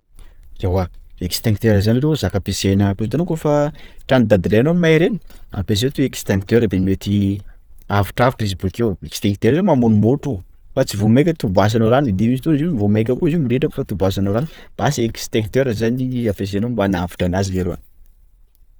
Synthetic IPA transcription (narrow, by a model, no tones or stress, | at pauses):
zewaekst̪eŋk̚t̪eɾəzanilezakəpesenəkust̪anokofaʈ͡ʂanid̪ad̪iɾenomajɾeni̥a̰pez̬et̪uekst̪eŋk̚t̪øɾəb̪enimet̪i | afu̥ʈ͡ʂafuʈ͡ʂesbukewekst̪eŋk̚t̪eɾlemamunumoʈ͡ʂu | fat͡sivomekʲət̪ubas̬anoɾanid̪emisit̪uiziunivomekʲəkuzimiɾeʈ͡ʂaku̥fat̪ubas̬anoɾanb̥asiekst̪eŋkt̪eɾəzaniapes̬enombanavu̥ʈ͡ʂanaziveɾoa̰n